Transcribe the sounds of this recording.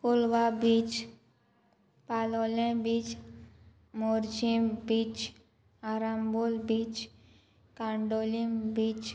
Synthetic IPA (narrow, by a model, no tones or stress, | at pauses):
kulʋabit͡ʃ | palolẽbiːt͡ʃ | moɾd͡ʒĩbit͡ʃ | aɾambulbit͡ʃ | kãɳɖolimbiːt͡ʃ